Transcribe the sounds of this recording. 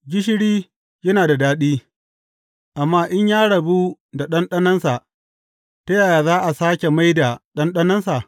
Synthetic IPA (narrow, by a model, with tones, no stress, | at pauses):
ɡʲɪ˦ʃ̬ɪ˦ɽiː˦ | jɐ˦naː˨da˨daː˦ɗiː˦ | ʔa˨mːaː˦ʔɪ˦ɲjaː˦ɽɐ˨bu˦ | da˨ɗɐ˦nɗɐ˦nɐ˦nsa˨ʔ | tɐ˦jaː˨jaː˨zaː˦ʔa˨saː˦kʲe˨ma˦jda˨ɗɐ˦nɗɐ˦nɐ˦nsa˨ʔ